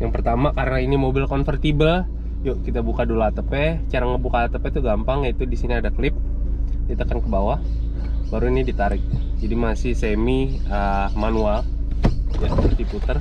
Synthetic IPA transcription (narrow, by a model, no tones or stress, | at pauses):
jaŋpərt̪amakaɾənainimobɪlkɔnfərt̪ibəl | jokit̪abukadolat̪əpɛt͡ʃaɾaŋəbukat̪əpɛt̪uɡampaŋjait̪udisiniadakəlɪp̚kit̪akankəbawa | baɾuinidit̪aɾɪk̚d͡ʒadimasɪhsemiəmanual | jasəpərt̪iput̪ər